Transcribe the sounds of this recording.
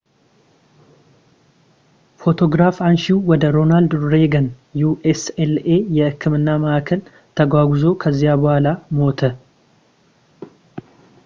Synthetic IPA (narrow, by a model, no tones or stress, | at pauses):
fo̞t̪ʰo̞ɡɾafanʃiwɔd̪əɾo̞nald̪ɾeɡən | juʔesele̞jɛʔɨkʰːɨmɨnːaməʔakʰəl | t̪ʰəɡʷwaɡʷuzo̞kʰəzːijabəhʷalamo̞t̪ʰə